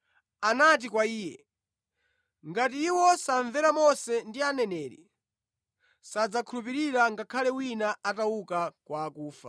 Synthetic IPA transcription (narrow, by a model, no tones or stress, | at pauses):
anat̬ikwaiːjɛ | ŋɡatiːwɔsaɱvɛɾamɔsɛndianɛnɛːɾḭ | sad͡zakʰulupiɾiɾaŋɡakʰalɛwinaataukakwaːkuːfa̰